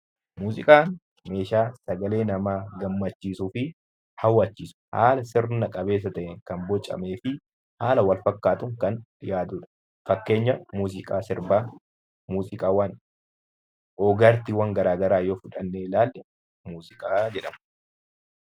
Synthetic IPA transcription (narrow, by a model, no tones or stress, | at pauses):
muːzɪkʼaːn | me̞ːʃaːsɐɡɐle̞ːnɐmaːɡɐmːɐt͡ʃːiːsuːfɪ | hɐwːaːt͡ʃːiːsʊ̥ha̰ːlɐsɪɾnɐkʼɐbe̞ːs̬ːɐt̪ɐʔɛŋkɐnbɔt͡ʃʼɐ̰me̞ːfɪ | haːlɐwɐlfɐkːaːt̪ʊŋkɐnjaːd̪uːᶑɐ̥ | fɐkːe̞ːɲːɐmuːzɪkʼaːsɪɾbaː | muːzɪkʼaːwɐn | oːɡɐɾt̪ɪwɐŋɡɐɾaːɡɐɾaːjoːfʊᶑɐnːeːlaːlːɛ | muːzɪkʼaːd͡ʒɛᶑɐmɐɐ̥